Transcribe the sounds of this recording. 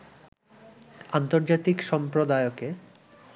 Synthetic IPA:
ant̪oɾd͡ʑat̪ikʃɔmpɾod̪aeoke

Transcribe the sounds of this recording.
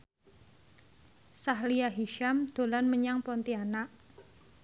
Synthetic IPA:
saɦliaɦiʃamd̪̥o̤lanməɲaŋpɔnt̪ianaʔ

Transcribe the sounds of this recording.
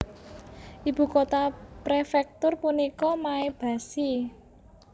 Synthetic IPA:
ʔib̥ṳkot̪apɾefɛk̚t̪ʊrpunikɔmaeb̥ä̤si

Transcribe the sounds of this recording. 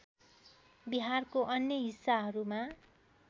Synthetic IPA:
biɦarkoʔʌnjʌɦisːaɦʌɾuma

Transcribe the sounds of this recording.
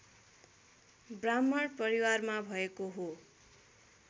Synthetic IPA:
bramːʌɽpʌɾiwarmabʱʌekoɦo

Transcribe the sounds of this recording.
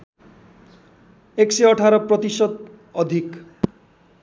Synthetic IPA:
ekseʌʈʰaɾɔprʌt̪isʌd̪ | ʌd̪ʱik

